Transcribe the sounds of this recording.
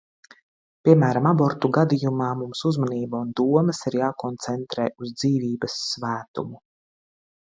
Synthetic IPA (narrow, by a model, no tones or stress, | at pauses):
pʲiɛmæːɾamabɔɾt̪uɡad̪ijumɑːmumsuzmaniːbaund̪uɔməsiɾjaːkɔnt̪sɛnt̪ɾɛːuzd̪ziːviːbɐsːvæːt̪ṵmu